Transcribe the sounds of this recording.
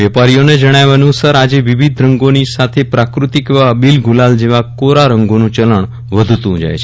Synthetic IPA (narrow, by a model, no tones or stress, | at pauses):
ʋɛpaɾijoned͡ʒəɽ̃jaʋənusaɾad͡ʑeʋiʋid̪ʱɾə̃ŋɡonisat̪ʰepɾakɾut̪ikʋabilɡʱulald͡ʑeʋakoɾaɾəŋɡonũt͡ɕələɳ | ʋəd̪ʱt̪ũd͡ʒa̰jt͡ʃʰe